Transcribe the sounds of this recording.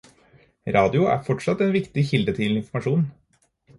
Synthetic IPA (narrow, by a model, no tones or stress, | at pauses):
ɾʔɑːd̪ɪʊʔæ̰ːɾfɔʈʂɑt̪ːeːnʋɪkt̪ɪçɪld̪ət̪ʰɪlɪnfɔmɑʂuːn